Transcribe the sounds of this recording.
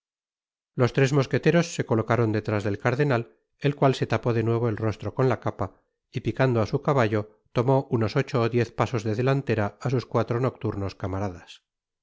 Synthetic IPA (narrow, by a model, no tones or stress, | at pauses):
lo̞st̪ɾe̞zmo̞ske̞t̪e̞ɾo̞sːe̞ko̞lo̞kaɾo̞nd̪et̪ɾazðe̞lkaɾðe̞nal | e̞lkwalse̞t̪apo̞ðe̞nwe̞β̞o̞e̞lro̞st̪ɾo̞ko̞nlakapa | ipikand̪oasukaβaʎo̞ | t̪o̞mo̞ʔuno̞so̞t͡ʃo̞ːðje̞θpaso̞zðe̞ðe̞lant̪e̞ɾaːs̬uskwat̪ɾo̞no̞k̚t̪uɾno̞skamaɾaðas